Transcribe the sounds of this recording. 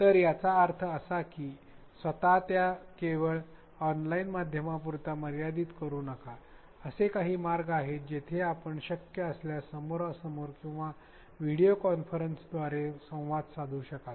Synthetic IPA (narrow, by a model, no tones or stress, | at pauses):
t̪əɾjat͡saːɾt̪ʰəəsakiː | sʋət̪at̪jakeʋəɭ | ɔnlainmad̪ʱjəmapuɾt̪aməɾjad̪iːt̪kəɾuːnəka | əsekaɦiːmaɾɡaɦet̪̚d͡ʑet̪ʰeapəɳɕəkjəəsljasəmoɾəsəmoɾkĩw̃ʋa | ʋiɽijokɔnfəɾənsd̪ʋaɾesə̃w̃ʋad̪sad̪ʱuːɕəkat̪